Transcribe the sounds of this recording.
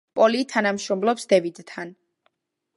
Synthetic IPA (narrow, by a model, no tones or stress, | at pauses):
pʼɔlit̪ʰanamʃɾɔmlɔpsd̪ɛvid̪t̪ʰan